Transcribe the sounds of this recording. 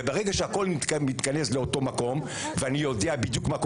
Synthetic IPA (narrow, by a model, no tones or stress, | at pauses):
ebeʁeɡaʃeako̞lnmit̪kanesle̞o̞to̞mako̞m | veanijodeabid̪jukmak